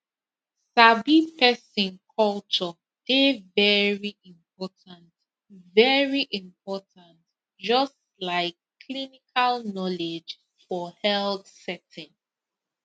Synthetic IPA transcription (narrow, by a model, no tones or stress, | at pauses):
sabipɛsĩnkʰɔlt͡ʃɔ | d̥evɛɹiʔĩmp̚ɔtʰãnt | vɛɹiʔĩmpʰɔtãnt | d͡ʒʌst | laɪkː | linikʰalnɔled͡ʒ | fɔhɛlθsɛtɪ̃n